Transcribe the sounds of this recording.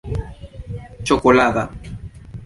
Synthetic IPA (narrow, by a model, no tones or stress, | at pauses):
t͡ʃokolaða